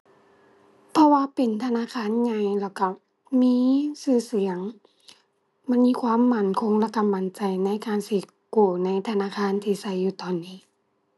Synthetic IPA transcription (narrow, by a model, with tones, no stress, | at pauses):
pʰɔ˧waː˧pe˨nt̪ʰa˧naː˧˥˨kʰaː˧˥˨nɲa˧˩jlɛː˧˩wka˧˩ | miː˧˥sɯː˧˩si˨˩˦əŋ | ma˧˥˨nmiː˧˥˨kʰwaː˧˥˨mːa˧˩˨nkʰo˧˥˨ŋla˧˥t̪ʰːa˧˨mba˨nt͡ɕa˨jna˧˥˨jkaː˨nsiː˧˩ | kuː˧˩na˧˥˨jt̪ʰa˧naː˧˥˨kʰaː˧˥˨nt̪ʰiː˧sa˧˩˨jːuː˧˩t̪ɔː˨nːiː˧˩˨